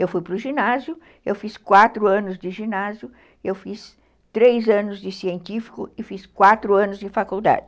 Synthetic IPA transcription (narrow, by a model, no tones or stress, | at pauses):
ewfujpɾʊʒinazjʊ | ewfiskwat̪ɾʊɐ̃nʊzd̪ɪʒinazjʊ | ewfis | t̪ɾejzɐ̃nʊzd͡ʒɪsiẽnt̪ifi̥kʊɪfiskwat̪ɾʊɐ̃nʊzd͡ʒɪfakuwd̪a̰d͡ʒɪ